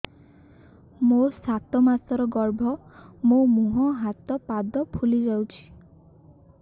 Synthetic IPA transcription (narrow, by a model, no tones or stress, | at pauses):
mosat̪ɔmasɔɾɔɡɔɾbʱɔmomuɦɔɦat̪ɔpad̪ɔpʰulid͡ʒawt͡ʃʰi̥